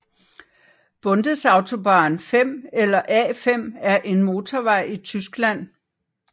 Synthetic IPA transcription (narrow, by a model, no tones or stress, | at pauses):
b̥ɔ̽nd̥əð̩ˠsɑ̈ʊt͡sʰo̝b̥ɑ̈ːnfem̰elɐʔɛ̰ːfem̰æɐʔe̝nmo̝ːt͡sʰɒʋɑ̈ɪ̰it͡sʰysɡ̥læn̰